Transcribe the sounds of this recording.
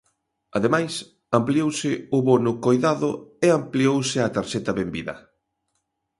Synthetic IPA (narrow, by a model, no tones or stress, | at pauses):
ɐðemajs | ampliowsɪʊβonʊkojðaðʊeampliowsɪat̪aɾʃɛt̪ɐβembḭðɐ̰